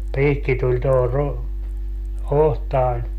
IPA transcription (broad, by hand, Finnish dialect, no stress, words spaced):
piːkːi tulʲ toho ru ohtɑːnʲ